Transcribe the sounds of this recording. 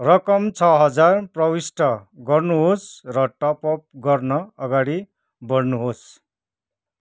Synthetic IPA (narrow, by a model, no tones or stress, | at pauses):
rʌkʌmt͡sʰʌɦʌd͡zarprʌwisʈʰʌɡʌrnuɦosrʌʈʌpʌp̚ɡʌrnʌʌɡaɽi | bʌɽnuɦos